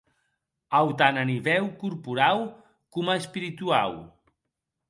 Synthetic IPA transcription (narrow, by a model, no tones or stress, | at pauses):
awt̪ananiβɛwkuɾpuɾaw | kuməspiɾit̪uaw